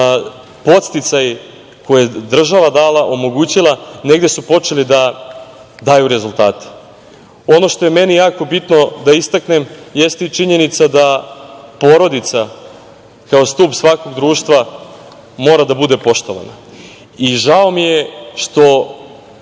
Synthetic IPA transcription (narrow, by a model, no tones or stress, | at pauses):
po̞t̪st̪it̪saj | ko̞jed̪r̩ʒaʋad̪aːlaʔo̞mo̞ɡuːt͡ɕilˠane̞ɡd̪e̞supo̞t͡ʂe̞lid̪a | d̪aːjuɾe̞zulˠt̪a̰ːt̪e̥ | o̞no̞ʃt̪ojeme̞nijaːko̞bit̪no̞d̪aist̪akne̞mjest̪eit͡ʃiɲe̞nit̪sad̪apo̞ɾo̞d̪it̪sa | kaost̪uːpsʋako̞ɡd̪ɾuːʃt̪ʋa | mo̞ːɾad̪abud̪e̞po̞ʃt̪o̞ʋa̰na̰ | iʒao̞mijeʃt̪o̞